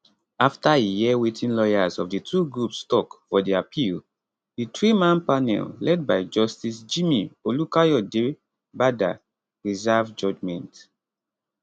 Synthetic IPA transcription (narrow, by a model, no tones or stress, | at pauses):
aftaejiɛwetʰĩnlɔjazɔvditʰuɡɹupstɔkfɔdiapʰil | ditɹimãnpanɛ̰llɛd̚baɪd͡ʒɔstisd͡ʒimiolukajɔde | bada̰ | ɹizavd͡ʒɔd͡ʒmɛ̃nt